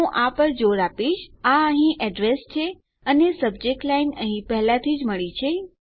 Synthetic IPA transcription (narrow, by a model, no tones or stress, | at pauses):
ũʔapəɾd͡ʒoɾapiʃaəɦĩʔɛɖɾest͡ʃʰe | ənesəb̚d͡ʒek̚ʈlainəɦĩpɛɦlãt̪ʰid͡ʒməɭit͡ʃʰe